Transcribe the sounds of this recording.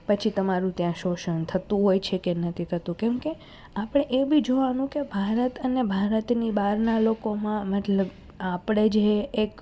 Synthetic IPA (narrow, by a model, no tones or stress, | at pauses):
pət͡ʃʰit̪əmaɾũt̪jãʃoʃənt̪ʰət̪ũɦojt͡ʃʰekenət̪ʰit̪ʰət̪ũkɛmke | apɽ̃eʔebʱid͡ʒoʋanũkebʱaɾət̪ənebʱaɾət̪nibaɾnalokomãmɛʈləb | apɽ̃ed͡ʒeːk